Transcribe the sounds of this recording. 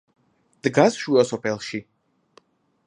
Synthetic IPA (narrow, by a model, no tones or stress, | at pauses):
d̪̥ɡasʃuɔsɔpʰɛlˠʃi